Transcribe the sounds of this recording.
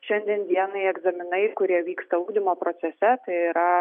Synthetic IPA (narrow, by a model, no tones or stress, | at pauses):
ʃʲɛnʲd̪ʲiɛnd̪ʲiɛnɐɪɛɡzɐmʲɪnɐɪkʊɾʲiɛʋʲiːkst̪ɐuːɡd̪ʲɪmoːpɾoːt̪sʲɛsʲɛt̪ɐɪiɾɐ